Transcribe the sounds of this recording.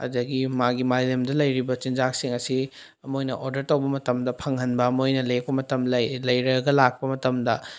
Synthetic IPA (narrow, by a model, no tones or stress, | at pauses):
ɐ̰dɐɡimaɡimalemdɐlɐjɾibɐt͡ʃind͡ʒak̚siŋɐsi | ɐmojnɐʔoɾdɐɾtɐwbɐmɐtɐmdɐpʰɐŋhɐnbɐːmojnɐlek̚pɐmɐtɐmlɐlɐjɾɐɡɐlak̚pɐmɐtɐmdɐ